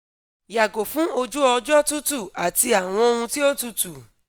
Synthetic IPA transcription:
ja˨ɡo˨fũ˨˦o˧d͡ʒu˦ɔ˧d͡ʒɔ˦tu˦tu˦˨a˨ti˧a˨w̃ɔ̃˧o˧hũ˧ti˦o˦tu˦˧tu˨

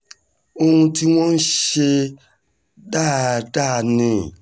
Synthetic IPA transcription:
o˧hũ˧ti˦w̃ɔ̃˦n̩˦ʃe˧ | da˦˨da˦˨nĩ˨

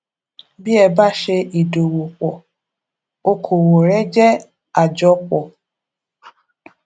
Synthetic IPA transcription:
bi˦ɛ˦˨ba˦˨ʃe˧i˨do˨wo˨k͡pɔ˨ | o˦kʰo˨wo˨ɾɛ˦d͡ʒɛ˦ | a˨d͡ʒɔ˦k͡pɔ˨

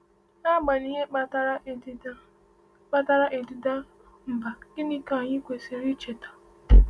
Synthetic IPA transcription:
a˦˨ɡ͡ba˨ni˨ɦe˦˨˦ | k͡pa˦ta˦ɾa˦ʔe˨di˨da˦ | m̩˨ba˨ɡɪ˦ni˦ka˨ɲɪ˦kʷe˨se˨ɾi˦t͡ʃe˨tḁ˨

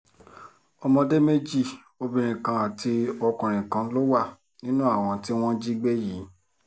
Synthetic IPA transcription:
ɔ˧mɔ̃˧de˦me˦d͡ʒi˦˨ | o˧bĩ˧ɾ̃ĩ˨kã˧a˨ti˧ɔ˧kũ˨ɾ̃ĩ˨kã˧˦lo˦wa˦˨ | nĩ˦nũ˦a˦˨w̃ɔ̃˧ti˦w̃ɔ̃˦d͡ʒi˦ɡ͡be˦ji˨˦

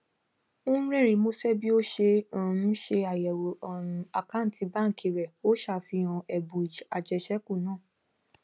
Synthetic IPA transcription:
o˦ũ˦ɾɛ˦˨ɾĩ˧˦mo˧sɛ˦bi˦o˦ʃe˧ã˨ɾũ˦ʃe˧a˨jɛ˨wo˨ɔ˨ɾũ˧a˨ka˦n̩˨ti˧ba˦˨kʰi˨˧ɾɛ˨o˦ʃa˦˨fi˧˦ã˧ɛ˨bũ˨i˨d͡ʒa˨d͡ʒɛ˧˨ʃɛ˦ku˦˨nãː˦˨

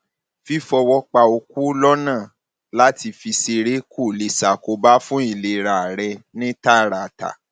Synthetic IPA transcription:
fi˦fɔ˧wɔ˧k͡pa˧o˧ku˦lɔ˦nãː˦˨ | la˦ti˧fi˧se˧ɾe˦ku˦˨li˨sa˨ko˧ba˦fũ˦i˦˨le˨ɾa˨ɾɛ˧nĩ˦ta˦˨ɾa˨ta̰˨

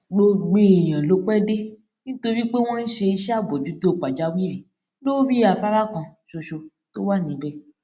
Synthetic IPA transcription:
ɡ͡bo˧ɡ͡be˦˨j̃ã˨lo˨˦k͡pɛ˦de˦ | nĩ˦to˧ɾi˦k͡pe˦w̃ɔ̃˦n̩˦ʃe˧i˧ʃa˦˨bɔ˨d͡ʒu˨˦do˦˨k͡pa˨d͡ʒa˨˦wi˦ɾi˨ | lo˦fi˦a˨fa˦ɾa˦kã˧ʃo˧ʃo˧ | to˦wa˦˨nĩ˨˦bɛ˦˨

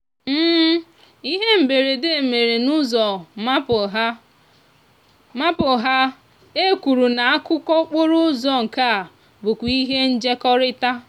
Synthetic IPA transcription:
m̩ː˦ | i˦ɦe˦m̩˨be˨ɾe˨de˦e˨me˨ɾe˨nu˦zɔ˨ma˦pʊ˨ɦa˦ | ma˦pʊ˨ɦa˦ | e˦kʷu˨ɾu˨na˨a˦kʊ˦kɔ˦k͡pʊ˦ɾʊ˦zɔ˦ŋ̩˨ka˦a˨ | bʊ˨kʷi˦ɦe˦n̩˦d͡ʒe˦kɔ˦ɾɪ˦ta˦

